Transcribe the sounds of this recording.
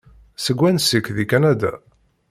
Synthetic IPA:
səɡʷːænsikðikænæd̪æ̰

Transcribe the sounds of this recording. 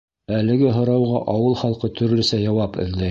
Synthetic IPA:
ælɘ̆ɡɘɦŏɾɑwʁɑʔɑwɤlˠχɑlˠqɤt̪ʰɵ̆ɾlɵ̆sæjɑwɑpɘ̰̆ðlæ

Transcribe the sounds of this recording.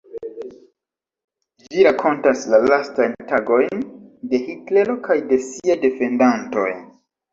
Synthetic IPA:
d͡ʒiɾakʰo̞ntaslalastajntaɡo̞jnde̞hitle̞ɾo̞kajde̞siajde̞fe̞ndanto̞̰j

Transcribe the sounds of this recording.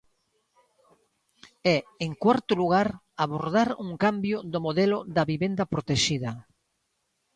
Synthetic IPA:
ɛeŋkwaɾt̪ʊluɣ̞aɾ | aβoɾðaɾuŋkambjʊðʊmoðɛlʊðɐβiβend̪ɐpɾot̪eʃiðɐ

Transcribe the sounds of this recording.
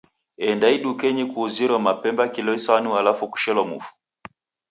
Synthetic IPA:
ɛndaiɗukɛɲikuːziɾɔmapɛmbakilɔisanualafuku̥ʃɛlɔmṵfu̥

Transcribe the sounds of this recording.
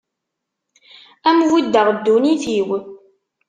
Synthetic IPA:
æmwid̪ːəʁəd̪ːuniθiw

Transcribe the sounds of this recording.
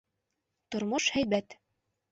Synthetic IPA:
t̪ŏɾmoʃhæjbæt̪

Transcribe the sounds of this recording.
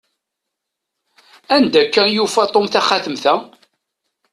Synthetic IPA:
ænd̪ækːænjufæt̪ˤomθæχaθəmθæ

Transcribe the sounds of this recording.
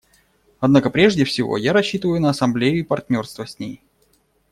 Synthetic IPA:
ɐd̪nakəpɾʲe̞ʐdʲɪfsʲɪvo̞̰jaɾɐɕːit̪əvəjʊnəːsɐmblʲejʊipɐrtʲnʲo̞rst̪vəsʲnʲej

